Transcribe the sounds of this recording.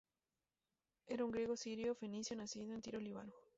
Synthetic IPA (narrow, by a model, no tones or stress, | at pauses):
e̞ɾauŋɡɾje̞ɣosiɾjofe̞nisjonasiðoent̪iɾoliβ̞a̰no